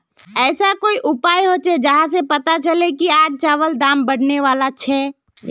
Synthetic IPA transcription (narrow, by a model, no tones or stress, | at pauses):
ɛːsakoːiʔʊpaːjɦot͡ʃʰɛd͡ʒəɦãs̬epət̪at͡ʃəlekiaːd͡ʒt͡ʃaːʋəld̪ãːmbəɽ̤neʋaːlat͡ʃʰɛː